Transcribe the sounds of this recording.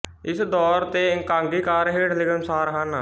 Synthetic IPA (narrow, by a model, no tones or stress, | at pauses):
ɪsd̪ɔːɾt̪eɪ̃ŋkãːŋɡikaːɾɦeːʈlɪkənsaːɾɦən